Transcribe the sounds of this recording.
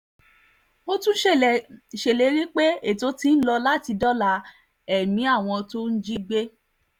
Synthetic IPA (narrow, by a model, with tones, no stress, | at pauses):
o˦tũ˦ʃe˨le˨˦ɾi˦k͡pe˦e˦˨to˨˦ti˧˦n̩˦lɔ˧la˦ti˧dɔ˦la˧ | ɛ˦˨mĩ˨˦a˦˨w̃ɔ̃˧to˦n̩˦d͡ʒi˦ɡ͡be˦